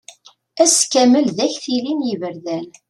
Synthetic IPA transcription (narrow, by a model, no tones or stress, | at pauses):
æskæməlðæçθilinjəvəɾðæl